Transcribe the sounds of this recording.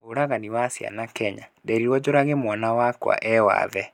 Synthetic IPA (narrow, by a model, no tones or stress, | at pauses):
oɾaɣaniwasja̰nakɛɲadɛɾiɾwɔd͡ʑoɾaɣemwanawakwa̰ʔɛwa̰ðɛ